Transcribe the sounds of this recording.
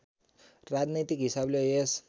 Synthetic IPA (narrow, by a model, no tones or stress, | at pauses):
rad͡znit̪ikɦisablees